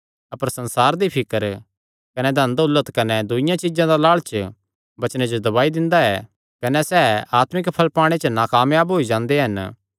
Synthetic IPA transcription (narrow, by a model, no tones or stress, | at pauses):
ɐpəɾsɐ̃nsaːɾd̪ipʰɪkəɾ | kɐnɛd̪ʱɐ̃nd̪ʊlːət̪kɐnɛd̪ʊɪjãt͡ʃɪd͡ʒãd̪alaːɭt͡ʃ | bɐt͡ʃned͡ʒod̪ɐβaːid̪ɪ̃nd̪aɛ | kɐnɛsɛːaːt̪mɪkpʰɐlpaːɽ̃et͡ʃnaːkaːmjaːbɦoid͡ʒãːnd̪eɦɐn